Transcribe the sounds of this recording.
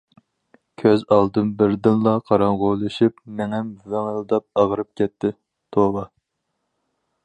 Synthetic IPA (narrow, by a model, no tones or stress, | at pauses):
kʲʰøzɑlˠd̪ɨnbɪɾd̪ɨnlˠɑqʰɑɾɑŋʁolˠɨʃipmɛŋɛmvæŋəld̪ɑp̚ɑʁəɾɨp̚kʲʰɛt̪ʰːɪ | t̪ʰobɑ